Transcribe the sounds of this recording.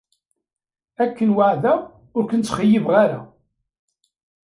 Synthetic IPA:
ækːənwaʕðæ | ʊɾkənt͡sːχəjːəvʁaɾa

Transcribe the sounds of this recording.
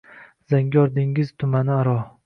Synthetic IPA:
zaŋɡʲɒɾd̪ɪŋɪzt̪ʰʊmanɪaɾɒ

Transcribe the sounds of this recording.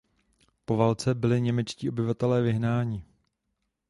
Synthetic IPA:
povalt͡sɛbɪlɪɲɛmɛt͡ʃciːo̞bɪvat̪ɛlɛːvɪɦnaːɲɪ

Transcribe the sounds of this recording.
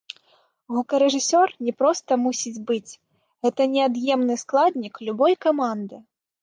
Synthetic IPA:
ɣukɐɾɛʐɨsʲɔrnʲɛpɾɔst̪ɐmusʲid͡zʲbɨt͡sʲ | ɣɛt̪ɐnʲɛad̪jɛmnɨsklˠad̪ʲnʲiklʲubɔjkamand̪ɨ

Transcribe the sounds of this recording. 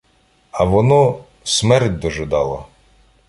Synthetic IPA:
ɐʋɔnɔ | smɛrtʲd̪ɔʒɪd̪ɑlˠɔ

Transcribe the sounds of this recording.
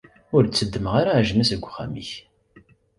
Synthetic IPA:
ʊɾt͡sːəd̪ːəmʁaɾaʕʒnæsəɡʷːχæ̰miç

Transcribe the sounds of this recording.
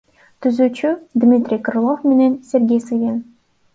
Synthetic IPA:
t̪yzyt͡ɕyd̪mʲit̪ʲrʲijkɤ̆rlˠofmʲĕnʲensʲerʲɡʲejsɨjʲen

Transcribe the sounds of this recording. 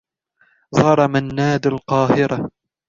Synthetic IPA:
zˤɑɾˤɑmanːaːd̪alqɑːhɪɾa

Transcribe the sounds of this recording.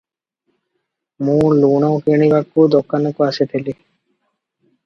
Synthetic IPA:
mũluɳawkeɽ̃ibakːud̪ɔkːanɔkuaset̪ʰeli

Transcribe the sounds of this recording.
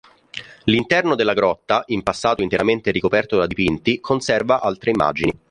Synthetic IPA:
lint̪ɛrnod̪elːaɡɾɔt̪ːaʔimpasːaːt̪oint̪eɾament̪eɾikopɛrt̪od̪ad̪ipint̪ikʰonsɛrvaʔalt̪ɾeimːa̰ːd͡ʒini

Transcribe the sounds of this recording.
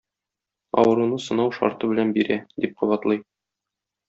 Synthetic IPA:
ɒ̰wɤ̆ɾunɤsɤ̆nɑwʃɒ̰ɾt̪ɤbɘ̆lænbiɾæd̪ip̚qŏbɑt̪lˠɤj

